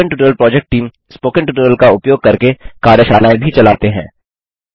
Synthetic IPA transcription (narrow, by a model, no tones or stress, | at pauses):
əɳʈuʈɾəlpɾɔːd͡ʒek̚ʈʈiːm | spoːkə̃ɳʈuʈuɾəlkaʊpjoːɡ̚kɐɾkekaːɾjəʃaːlaːẽbʱit͡ʃɐlaːt̪eɦɛ̃ː